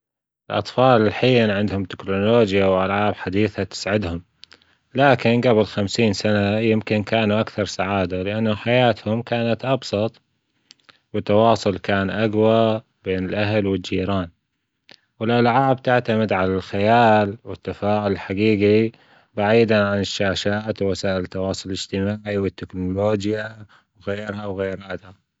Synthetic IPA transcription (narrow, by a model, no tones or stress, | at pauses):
ʔɪlʔɑ̰t̪ˤfɑːlɪlħijnʕɪnd̪hʊmt̪ɪ̥knuloːd͡ʒjawʔalʕaːbħad̪iːθat̪ɪ̥sʕɪd̪hʊm | laːkɪnɡabɪlxamsiːnsanajɪmkɪnkaːnuʔakθɑɾˤsaʕaːd̪alɪʔanːʊħajaːt̪hʊmkaːnat̪ʔɑbsˤɑt̪ˤ | wɪt̪ːɑwɑːsˤʊlkaːnʔaɡwa | beːnɪlʔaɦlwɪd͡ʒiːɾaːn | wɪlʔalʕaːbt̪aʕt̪amɪd̪ʕalalxajaːlwɪt̪ːafaːʕʊllħaɡiːɡi | baʕiːd̪aʕanɪʃːaːʃaːt̪wwasaːʔɪlt̪ːɑwɑːsˤʊllɪd͡ʒt̪ɪmaːʕiwɪt̪ːɪknʊloːd͡ʒja | wɣeːɾhawɣeːɾaːd̪ha